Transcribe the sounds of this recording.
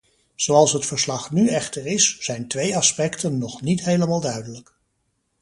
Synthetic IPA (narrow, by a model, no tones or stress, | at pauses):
z̥owɑlˠsɦətfəɹslɑχnyɛχtəɹɪsz̥ɛjntʋejɑspɛktənːɔχnitɦejləmaːlˠdœɥdələk